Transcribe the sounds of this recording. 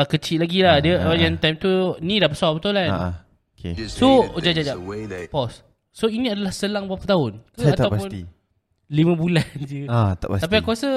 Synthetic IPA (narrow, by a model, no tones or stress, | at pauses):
əkət͡ʃiʔlaɡilahdiəʔjãnt̪ajmt̪unĩdapəsabət̪ulana̰ | okḛsod͡ʒad͡ʒad͡ʒaʔpɔs | soinĩadalahsəlaŋbwapkət̪aʊnkəat̪awpaʊni | limə̃buland͡ʒəat̪a̰ʔpasap̬iakuasə